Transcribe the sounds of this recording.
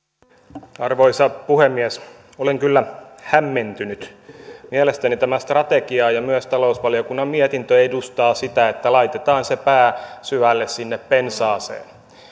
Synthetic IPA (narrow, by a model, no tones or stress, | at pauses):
ɑrʋoisɑpuhemːiæs | oleŋkylːæhæmːent̪ynyt̪miælest̪ænit̪æmæst̪rɑt̪eɡiɑjɑmyøst̪ɑlousʋɑliokunːɑmmiɛt̪int̪øedust̪ɑːsit̪æet̪ːælɑit̪et̪ɑːnsepæːsyʋælːessinːeppensɑːsḛːn